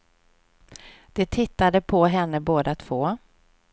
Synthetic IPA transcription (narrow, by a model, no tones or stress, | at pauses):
d̪̥ɛt̪ʰɪt̪ːad̪əpʰɔɦɛnːəboːd̪at̪ʰv̥oː